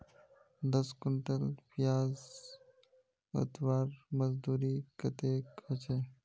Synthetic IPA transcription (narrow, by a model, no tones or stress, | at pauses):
d̪əskʊɳʈəlpijaːz | ə̰t̪ʋaːɾməzd̪uːɾikət̪ekɐt͡ʃʰe